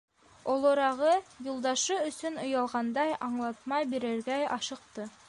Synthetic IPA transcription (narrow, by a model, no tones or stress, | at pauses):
olˠoɾɑʁɤjulˠd̪ɑʃɤɵ̆sɵnŏjɑlˠʁɑnd̪ɑjɑɴlˠɑt̪̚mɑjbiɾɘ̆ɾɡæjɑ̰ʃɤ̆q̚t̪ɤ